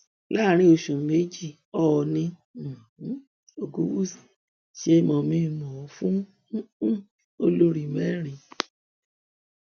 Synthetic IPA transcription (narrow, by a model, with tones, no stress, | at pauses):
la˦˨ɾ̃ĩ˧˦o˨ʃũ˨me˨˦d͡ʒi˦˨ | ɔ˦˨˧nĩ˧˨˦ | o˧ɡũ˦wu˦˨si̥˨ | ʃe˧˦mɔ̃˧mĩ˧˦˨mɔ̃˨˦fũ˦ | o˧lo˧ɾi˨mɛ˦˨ɾ̃ĩ˧˨